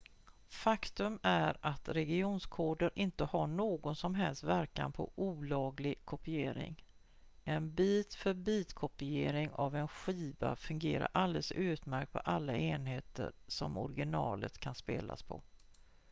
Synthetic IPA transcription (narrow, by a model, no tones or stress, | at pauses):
fakt̪ɵmæɾat̪ɾɛɡɪuːnskʰoːɖəɾʔɪnt̪əhaɳoːɡɔnsɔmɦɛlst̪væɾka̰npʰɔ̰ʔuːlɑːɡlɪɡkʰɔpɪeːɾɪ̰ŋ | ʔɛnbiːt̪fœɾbiːt̪kʰɔpɪeːɾɪŋavɛnɧiːva̰fɵŋɡeːɾa̰ɾʔald̪ɛlsʉ̟ːt̪mæɾk̚t̪̚pʰɔʔalːaeːnɦeːt̪ə̰ɾsɔmɔ̰ɾɡɪnɑːlə̰t̪kʰanspeːla̰spʰɔ̰